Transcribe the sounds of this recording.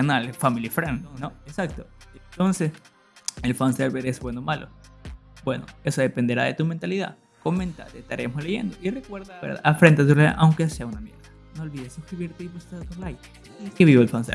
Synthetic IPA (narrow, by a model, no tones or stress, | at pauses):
analfamilifɾennoesak̚t̪oent̪o̞nses | e̞lfanseɾβeɾezbwenomalo̰ | bwe̞no̰e̞soðe̞pe̞nd̪eɾaðe̞t̪ument̪aliða̰ð | komẽnt̪a̰t̪est̪aɾʔeamosleʝe̞̰nd̪o̞ʔire̞kwe̞ɾðaweɾða̰afɾe̞nt̪et̪̬uɾlaj̰ʔawŋkeseaunamje̞̰ɾða | noːlβiðesːuskɾiβiɾt̪eiβust̪aðt̪uɾlaj | ikeβiβolfansḛ